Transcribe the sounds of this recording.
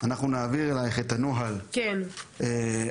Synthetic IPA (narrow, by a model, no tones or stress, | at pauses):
anaχnunaːviʁelajχet̪anoɦalkene